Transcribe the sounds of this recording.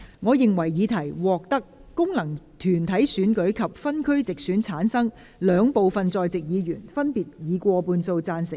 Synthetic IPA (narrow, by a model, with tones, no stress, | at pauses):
ŋɔː˨˧jɪ˨ŋwɐ˨˩jjiː˨˧t̪ʰɐ˨˩jwɔː˨k̚t̪ɐ˥kːʊ˥ŋlɐ˨˩ŋ | t̪ʰyː˨˩nt̪ʰɐ˨˥jsyː˨˥nkɵ˨˥ɥkʰɐ˨p̚fɐ˥nkʰɵ˥ɥt͡sɪ˨k̚syː˨˥nt͡sʰaː˨˥nsɐ˥ŋ | lœː˨˧ŋpo˨wfɐ˨nt͡sɔː˧jt͡sɪ˨k̚jiː˨˧jyː˨˩nfɐ˥npiː˨t̚jiː˨˧kʷɔː˧puː˧nso˧wt͡saː˧nsɪ˨˩k̚